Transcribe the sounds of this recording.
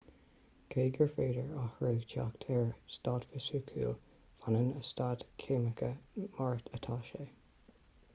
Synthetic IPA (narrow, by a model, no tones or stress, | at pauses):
kʰeːɡəɹfeːdəɹahɹiːɡtʰa̰kt̪ʰɛɹstaːdfəsuːkʰṵːl | fanənəstadkʰeməkʰəmaɹt̪ʰət̪ʰaʃeː